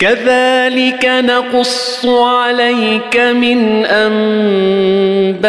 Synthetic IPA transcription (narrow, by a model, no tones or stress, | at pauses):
kaðaːlɪkanɑqʊsˤːʕalajkamɪnʔam | ba